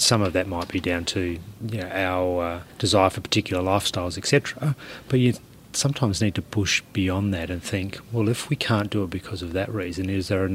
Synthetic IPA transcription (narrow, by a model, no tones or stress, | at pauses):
sʌ̃mʌvðɨt̚maɪt̚b̥idãʊ̃ntʰɨjɨnoʊʔaʊə˞ʌd̥ɨzaɪə˞fə˞pʰə̥˞tʰɪkjl̩ˠə˞laɪfstaɪlˠzɨksɛtɹ̥əb̥ʌtɨ | sʌ̃mtʰãɪ̃mznid̚tʰɨpʰʊʃb̥iɑ̃nðɨɾɨ̃nθɪ̃ŋkwɛlˠɨfwikʰæ̃nd̥ɨət̚b̥ɨkʰʌzʌvðɨʔ̚ɹizɨ̃nɪzðə˞ɨ